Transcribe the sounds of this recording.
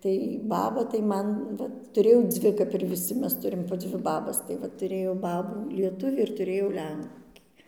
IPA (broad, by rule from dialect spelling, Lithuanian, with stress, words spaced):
tɐɪ ˈbɑːbɐ tɐɪ ˈmɐn ˈʋɐt tʊˈrʲeːjɛʊ ˈd͡zʲʋʲɪ kɐp ɪr ʋʲɪˈsʲɪ ˈmʲɛs ˈtʊrʲɪm poː ˈd͡zʲʋʲɪ ˈbɑːbɐs tɐɪ ˈʋɐ tʊˈrʲeːjɛʊ ˈbɑːbuː lʲiɛˈtʊʋʲiː ɪr tʊˈrʲeːjɛʊ ˈlʲɛŋʲkʲiː